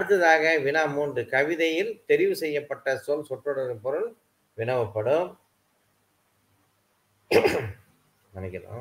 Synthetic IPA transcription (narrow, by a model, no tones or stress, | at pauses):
ɐɽɯt̪̬ːɐðaːɣɐʋɪnaːmuːndɯkɐʋɪðɐjɪlt̪ɛɾɪʋɯsɛjːɐpːɐʈːɐsɔlsɔʈrɽɐɾɯpɔɾɯɭ | ʋɪɳɐʋɐpːɐɽɯm | nɐnɐkːɪna̰ː